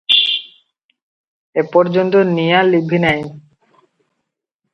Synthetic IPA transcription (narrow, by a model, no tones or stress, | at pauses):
epɔɾd͡ʑont̪onijalibʱinaj